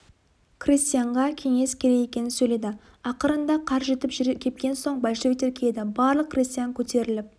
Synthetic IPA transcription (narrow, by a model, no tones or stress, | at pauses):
krist̪ijaɴʁɑkʲʰe̞ŋe̞skʲʰe̞ɾe̞ɡe̞kʲe̞nɪnsɵjle̞d̪ɪ | ɑqəɾənd̪ɑqʰɑɾʒe̞t̪ɪpʒɾkʲʰe̞p̚kʲe̞nso̞ɴbalʲʃevit̪eɾkʲʰeed̪ɪbɑɾlˠəqːrist̪ijaŋkʲʰɵt̪e̞ɾɪlɪp̚